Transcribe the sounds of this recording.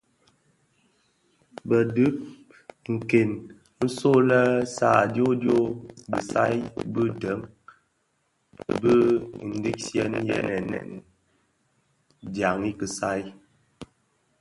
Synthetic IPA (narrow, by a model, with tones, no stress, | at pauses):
bə˨dɨ˦p̚ | ŋ̩˨ke˨n | n̩˦so˦lə˦sa˨djo˦djo˦bə˨sa˦jbə˦də˨˦m | bə˦n̩˦di˦k̚sjɛ˦njɛ̰˦nɛ˨nɛ̰˨n | dja˨ŋi˦kə˨sa˦j